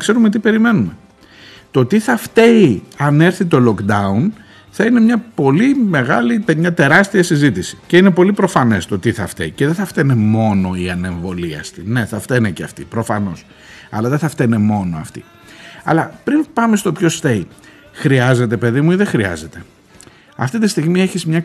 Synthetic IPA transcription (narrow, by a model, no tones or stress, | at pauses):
ɐkse̞ɾumet̪ipe̞ɾime̞nume̞ | t̪o̞t̪iθɐft̪e̞iɐne̞ɾθit̪o̞lo̞kd̪ɐun | θɐine̞mɲɐpo̞lime̞ɣɐlit̪eɲɐt̪e̞ɾɐst̪iɐsizit̪isi̥ce̞ine̞po̞lipɾo̞fɐne̞st̪o̞t̪iθɐft̪ḛiceðeθɐft̪enemo̞no̞iɐne̞ɱvo̞liɐst̪ine̞θɐft̪eneceɐft̪ḭpɾo̞fɐno̞s | ɐ̰lɐðe̞θɐft̪enemo̞noɐft̪ḭ | ɐ̰lɐpɾinpɐmest̪o̞pço̞st̪e̞i | xɾiɐze̞t̪e̞pe̞ðimuiðexɾiɐ̰ze̞t̪e̞ | ɐ̰ft̪it̪ist̪iɣmie̞çizmɲɐ